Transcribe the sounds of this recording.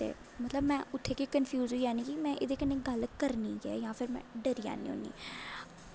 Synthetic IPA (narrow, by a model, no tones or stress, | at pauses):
t̪ḛː | mət̪ləbmɛ̃ːʊt̪ʰːeːkiːkənpʰjuːzɦuiːaːniːkimɛ̃ːʔeːd̪eːkənːẽːɡəlkəɾniːɡɛ̰ːjãːpʰɪɾmɛ̰̃ːɖəɾiːa̰ːnḭ̃ːo̰ːnḭː